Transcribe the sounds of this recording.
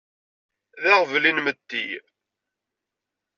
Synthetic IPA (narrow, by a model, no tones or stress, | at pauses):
ðæʁvlinmət̪ːi